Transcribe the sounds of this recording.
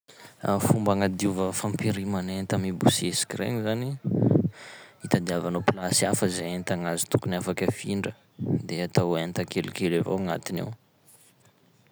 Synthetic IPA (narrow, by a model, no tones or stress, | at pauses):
afumbaŋad̪iuvəfampiɾimanent̪amibusiesi̥kirḛŋizani | it̪ad̪iavanoplasiafəzeent̪aŋazi̥t̪ukuniafakəfiɳɖ͡ʐə | d̪eat̪awent̪akelikelavo̰aŋa̰t̪inḛw